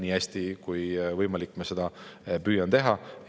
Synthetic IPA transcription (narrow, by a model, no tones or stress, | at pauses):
niːæsʲt̪ikujvɤjmɑlikːˑmɑse̞d̪̥ɑpyːjɑnt̪e̞ɦɑ